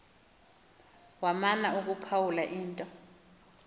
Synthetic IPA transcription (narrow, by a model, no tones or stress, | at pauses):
wamanauk̬ʼupʰawulaʔiːntʼɔ